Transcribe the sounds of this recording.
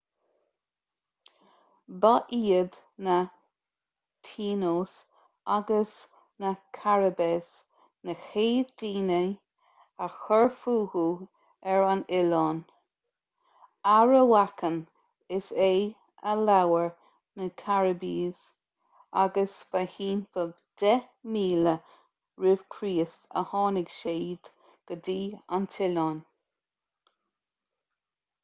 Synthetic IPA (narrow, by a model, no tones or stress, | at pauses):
baʔiːəd̪ | na | t̪ʰiːnoːs | aɡəs | nakʰaɹəbes | nəxeːdiːnə | axəɹfuːhu | ɛɹanɪlɔːn | aɹəwakən | ɪseː | əlawəɹ | nəkʰaɹəbiːz̥ | a̰ɡəsvahiːnfə | d̪̥ɛmiːlə | ɹʉv̥kʰɾiːstə̰hɑːnɪɡ̥ʃeːd̪̥ | ɡ̥ədiːa̰nt̪ʰɪlɑːn